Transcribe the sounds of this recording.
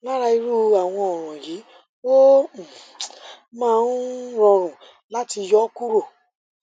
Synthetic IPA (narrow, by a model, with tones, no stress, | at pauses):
la˦ɾa˧i˧ɾu˦a˨w̃ɔ̃˧ɔ˨ɾ̃ɔ̃˨ji˨˦ | wo˦˨ | mãː˦˧n˦ɾ̃ɔ̃˧ɾ̃ũ˨ | la˦ti˧jɔ˦ku˦ɾo˦˨